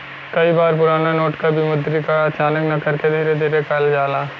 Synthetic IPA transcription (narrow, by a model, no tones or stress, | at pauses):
kɐibaːɾpʊɾaːnanoːʈkabʱimʊd̪ɾikaɐt͡ʃaːnəknɐkɐɾked̪ʱiːɾed̪ʱiːɾekɐld͡ʒaːlaː